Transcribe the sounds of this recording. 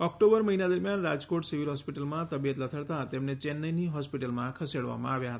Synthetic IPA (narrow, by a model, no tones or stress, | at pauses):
ɔk̚ʈobəɾməɦinad̪əɾmjanɾad͡ʒkoʈsiʋilɦɔspiʈəlmãt̪əbijət̪lət̪ʰəɭt̪at̪emnet͡ʃenːəjniɦɔspiʈəlmãkʰəseɽʋa̰mã̰aʋjaɦət̪a